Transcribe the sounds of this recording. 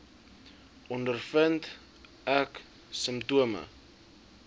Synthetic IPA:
ʔɔndərfənt | æk | səmptuəmə̰

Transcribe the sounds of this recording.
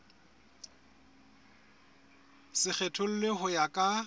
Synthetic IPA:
sɪk͡xetʰʊl̩lɪhʊjakʼa

